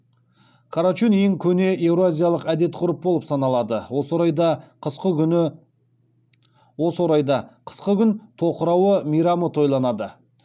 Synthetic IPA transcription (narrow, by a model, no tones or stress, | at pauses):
kʰɑɾat͡ʃuneŋkʲʰɵne̞ʔe̞vɾoazʲijɑlˠəqæd̪e̞t̪qʰʊɾəp̚bo̞lˠəpsɑnɑlˠɑd̪əwo̞soɾɑjd̪ɑqʰəsqə | wo̞səwoɾɑjd̪ɑqʰə̥sqəkʲʏnt̪ʰo̞qəɾɑwəmijɾɑmət̪ʰo̞jlˠɑnɑd̪ə